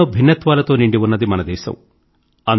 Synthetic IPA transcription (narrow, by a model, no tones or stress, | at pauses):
oːbʱinːɐt̪ʋaːlɐt̪o̞ːniɳɖiʋunːɐd̪imɐnɐd̪ɛːʃɐ̰m | ɐn